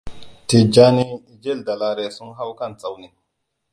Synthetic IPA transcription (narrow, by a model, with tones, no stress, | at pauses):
te˨d͡ʒa˦ni˦˨d͡ʒe˦˨lda˨la˨ɾe˨su˦ŋɦa˦wka˦˨nt͡sʼa˨wni˨